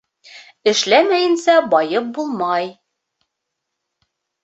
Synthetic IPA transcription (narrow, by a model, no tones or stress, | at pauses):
ɘ̆ʃlæmæjɘ̆nsæbɒjɤp̚bulˠmɑj